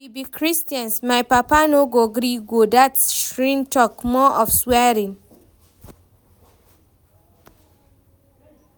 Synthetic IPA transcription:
wibikʰɹistãnsmajpapanoɡoɡɾiɡodatʃɹĩntɔkmɔʔɔfswɛɹĩŋ

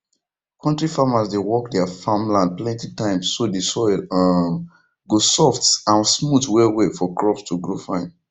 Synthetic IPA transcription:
kʰɔ̃ntɹifamasdewɔkdɛəfãmlãnd̚plɛ̃ntitãɪ̃msːodesɔɪl | ɡosɔftsãnsmutwɛwefɔkɹɔpstʰuɡɹofãɪ̃n

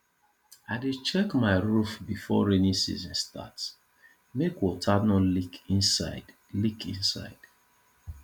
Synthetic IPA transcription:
aɪdit͡ʃɛkmaɪɹufbifɔ̰ɹenisḭzɔ̃nsta̰ts | mekwɔtʰanɔlikĩnsaɪd | likʰḭ̃nsa̰ɪd̥

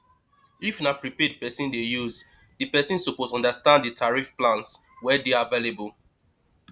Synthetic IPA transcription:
ifnapɹipɛdpɛsĩndejuz | dipɛsĩnsuposɔ̃ndastãndditʰaɹifplãnswɛdeavelebul

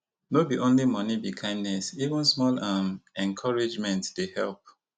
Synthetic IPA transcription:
nobiʔõnlimʌnibikʰãɪ̃ndnɛsivə̃nsmɔlamɛ̃nkʰɔɹed͡ʒmɛ̃ntd̥ehɛ̰lp̚

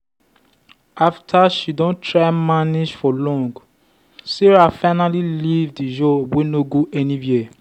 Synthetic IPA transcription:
aftʰaʃidɔ̃ntʰɹaɪmanid͡ʒfɔlɔ̃ŋɡ | siɹafaɪnalilivdid͡ʒowenoɡoʔɛnĩji

